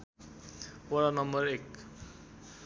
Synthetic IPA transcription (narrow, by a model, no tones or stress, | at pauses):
oɾanʌmbʌɾek